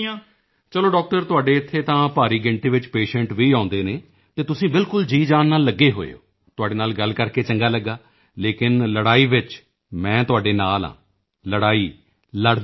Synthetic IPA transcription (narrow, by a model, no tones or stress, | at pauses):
ãː | t͡ʃəloːɖɔːk̚ʈəɾt̪ʊaːɖeːɪt̪ʰːeːt̪ãːpaːɾiːɡɪɳʈiːʋɪt͡ʃpeːʃə̃ɳʈʋiːãːʊnd̪eːneː | t̪eːt̪ʊsĩːbɪlkʊld͡ʒiːd͡ʒaːnːaːlːəɡːeːɦo̰ːḛo̰ː | t̪ʊaːɖeːnaːlɡəlkəɾkeːt͡ʃəŋɡaːləɡːaː | leːkɪnləɽaːiːʋɪt͡ʃ | mɛ̃ːt̪ʊaːɖeːnaːlã̰ː | ləɽaːiː | ləɽ